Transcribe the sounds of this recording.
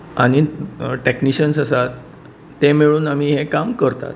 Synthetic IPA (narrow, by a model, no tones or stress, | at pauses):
a̰ɽ̃iʈekniɕənsəsat̪ː | emiɭuːnam̤iːɦekamkəɾt̪a̰t̪̚